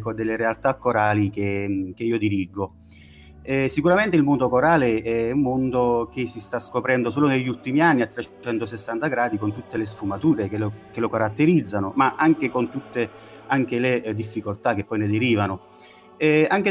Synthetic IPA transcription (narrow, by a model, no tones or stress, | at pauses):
kod̪elːeɾealt̪akːoɾaːlik̟ekeiːod̪iɾiɡːo | ɛsikuɾament̪eɪilmond̪okoɾaːleɛumːond̪ok̟esist̪askopɾɛnd̪osoːloneʎːult̪imianːiat̪ːɾet͡ʃɛnt̪osesːant̪aɡɾaːd̪ikont̪ut̪ːeles̬fumat̪uːɾekelkelokaɾat̪ːeɾid̪zːanomaʔaŋk̟ekont̪ut̪ːeaŋk̟eled̪ifːikolt̪ak̟ːepːɔjned̪eɾiːvano | ɛaŋk̟e